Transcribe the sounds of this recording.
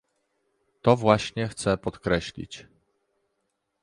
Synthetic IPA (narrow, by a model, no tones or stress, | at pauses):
t̪ɔvwaɕɲɛxt̪sɛpɔt̪kɾɛɕlʲḭt͡ɕ